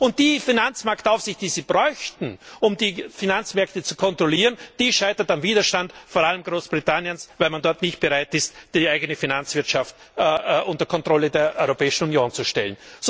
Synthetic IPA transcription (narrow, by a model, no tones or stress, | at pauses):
ʊnt̚d̥iːfinant͡smaɐktaʊfsɪçtd̥iːziːb̥ʁɔʏçtn̩ʔʊmdiːfinant͡smɛɐktət͡su̥kʰɔntʁ̥oliːʁənd̥iːʃaɪtɐtamviːdɐʃtantfoːɐaləmɡʁoːsb̥ʁitʰanjənsvaɪlmandɔɐtnɪçt̚b̥əʁaɪtɪstd̥iaɪɡənəfinant͡sv̥ɪɐtʃaft | ʔʊntɐkʰɔntʁ̥ɔlədeːɐʔɔʏʁopɛːɪʃn̩unjoːnt͡suʃtɛ̰lən̩z